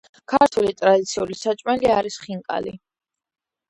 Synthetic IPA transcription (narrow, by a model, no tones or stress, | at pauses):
kʰaɾt̪ʰulit̪ʼɾad̪it̪sʰiulisat͡ʃʼmɛliaɾisχiŋkʼa̰li